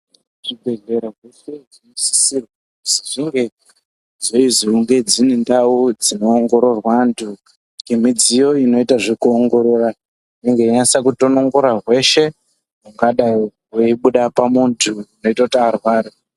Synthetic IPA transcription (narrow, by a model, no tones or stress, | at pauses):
ʐ̥ibʱe̞ɮeɾaɦweʃezinosi̥sirwa | usiʐiŋɡe̞ | zoiziuŋɡe̞d͡zinendaud͡zino̞ːŋɡo̞ɾo̞rwantʰu | ɡimid͡zijo̞ino̞itaʐikuoŋɡo̞ɾora | neŋɡeiɲasakutono̞ŋɡoɾaɦwe̞ʃe̞ | muŋɡaɗa | weiɓuɗapamuntʰuino̞itataarwaːɾi